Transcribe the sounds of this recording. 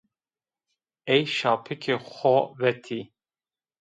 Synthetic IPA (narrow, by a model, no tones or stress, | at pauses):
ɛjʃɑːpʰɨkʰexʷɔvɛt̪ʰi